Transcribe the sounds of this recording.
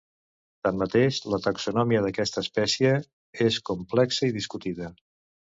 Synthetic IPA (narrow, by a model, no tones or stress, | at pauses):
t̪amːət̪eʃlət̪əksunɔmiəðəkɛst̪əːspɛsiə | eskumplɛksəiðiskut̪iðə